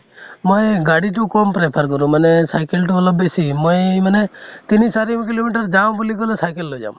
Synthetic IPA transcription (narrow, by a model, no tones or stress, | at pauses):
mojɡaɽiʈukɔmpɾepʰaɾkɔɾũmanesajkelʈuɔlɔbesimɔjmanet̪inisaɾimkilomiʈ̬əɾd͡ʒambulikɔlesajkelːod͡ʒa̰ʊm